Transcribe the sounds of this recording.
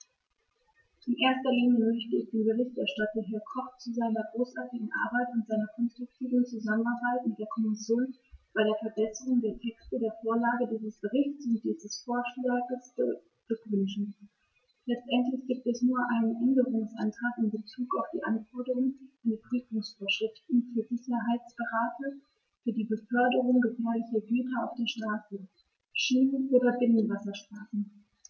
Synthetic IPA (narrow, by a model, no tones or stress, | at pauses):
ʔɪnʔeːɐstɐliːɲjəmœçtəɪçd̥eːnbəʁɪçtɛɐʃtatɐɦɪɐkʰɔχt͡suzaɪnɐɡʁoːsʔaɐtɪɡŋ̩ʔa̰ɐbaɪtʊntz̥aɪnɐkʰɔnstʁ̥ʊk̚tʰiːvn̩t͡suzamənaɐbaɪtmɪt̚d̥eːɐkʰɔmɪsjoːn | b̥aɪɾeːɐfɛɐbɛsəʁʊŋdeːɐtʰɛkstədeːɐfoːɐlaːɡədiːzəsb̥əʁɪçtt͡sʊnt̚d̥iːzəsfoɐʃlaːɡəs | l̥ʏkvʏnʃn̩ | lɛt͡stʔɛntlɪçɡ̥iːp̚tɛsnuːɐʔaɪnənʔɛndəʁʊŋsʔa̰ntʁ̥aːkɪmbət͡suːkaʊfd̥ḭːʔanfɔɐdəʁʊŋandifʁ̥yːfʊŋsfoːɐʃʁ̥ɪftn̩fyːɐzɪçɐɦaɪt͡sb̥əʁaːtʰə | fyːɐdiːbəfœɐdəʁʊŋɡəfɛːɐlɪçɐɡyːtɐaʊfd̥eːɐʃtʁ̥aːsə | ʃiːnnʔoːdɐbɪnənvasɐʃtʁ̥aːsn̩